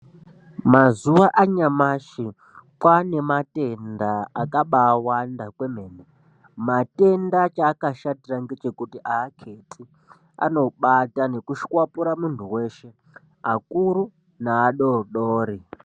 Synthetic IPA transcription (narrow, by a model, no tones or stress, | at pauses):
mazuwaʔaɲamaʃi | kwane̞mate̞ndaakaɓaːwandakwemeːne | mate̞ndat͡ʃaːkaʃatiraŋɡe̞t͡ʃe̞kutiʔaːkʰe̞tʰi | a̰no̞ɓatane̞kuʃkwapuɾamuntʰuwe̞ʃe̞ | akuɾu | naːɗoɗoːɾi